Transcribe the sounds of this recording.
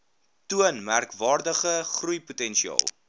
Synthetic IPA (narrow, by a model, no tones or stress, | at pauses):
tuənmærkvɑːrdəχəχrujputɛnʃiɑ̰ːlˠ